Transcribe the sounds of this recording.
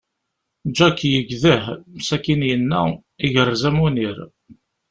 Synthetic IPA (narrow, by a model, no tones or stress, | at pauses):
d͡ʒækːjəɡðəhmsækːinjənːæ̰ | iʝəɾːzæmuniɾ